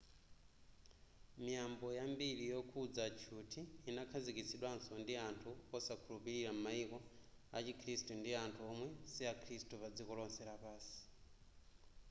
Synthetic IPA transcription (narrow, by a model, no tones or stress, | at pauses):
mijambɔjambiɾijɔkʰud͡zat͡ʃʰutʰiːnakʰazikit͡sʰiɗwansɔndiantʰuɔsakʰulupiɾiɾam̩maikɔ | a̰t͡ʃikʰɾistundiantʰuɔmwɛsiakʰɾistupad͡zikɔlɔnsɛɾapaːsi̥